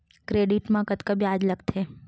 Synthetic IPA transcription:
kɾeɖiʈmãkət̪kəbiaːd͡ʒləɡt̪ʰe

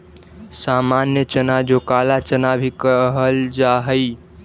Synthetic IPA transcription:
samanjət͡ʃənad͡ʒokalat͡ʃənabʱikəɦəld͡ʒaɦəj

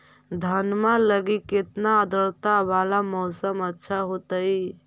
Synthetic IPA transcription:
d̪ʱənmãləɡiket̪naəd̪əɾt̪abalamɔsəmətːʃʰaɦot̪əj

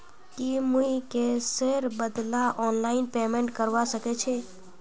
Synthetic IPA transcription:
kimuikeseɾbəd̪laʔɔnlaɪnpemẽɳʈkəɾʋasəket͡ʃʰe

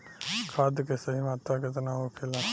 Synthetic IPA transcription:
kʰaːd̪kesɐɦimaːt̪aket̪ɐnaːɦokʰelã

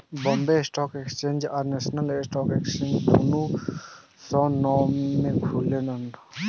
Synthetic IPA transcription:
bɔmbesʈɔkekst͡ʃẽɲd͡ʒaɾnesɔnalsʈɔkekst͡ʃẽnd͡ʒkʰunu | sɔnɔmekʰulenan

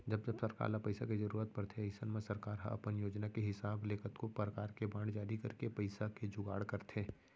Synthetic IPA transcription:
d͡ʒɐbd͡ʒɐbsɐɾka̰ːɾlapɐɪsakezɐɾuːɾət̪̚pɐɽt̪ʰeɐjsənmẽsɐɾkaːɾɦɐ̰pənjoːd͡ʒnakeɦɪsaːbleːkʰət̪kopɾəkaːɾkebãːɳ̃d͡ʒaːɾikɐɾkepɐɪsaked͡ʒʊɡaːɽkɐɾt̪ʰeː

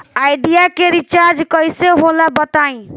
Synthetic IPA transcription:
aɪɖijakeɾit͡ʃaɾd͡ʒkəjseɦolabət̪aĩ

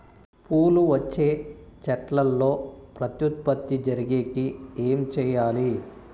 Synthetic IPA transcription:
puːluʋɐt͡ʃːe̞ːt͡ʃɐʈlɐlːo̞ːpɾɐt̪jut̪̚pɐt̪ːid͡ʒɐɾiɡeːkieːmt͡ʃɛːjaːli

